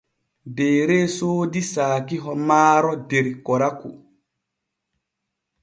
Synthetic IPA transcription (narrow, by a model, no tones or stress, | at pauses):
deːɾesoːdisaːkiɦɔmaːɾɔdeɾkɔɾaku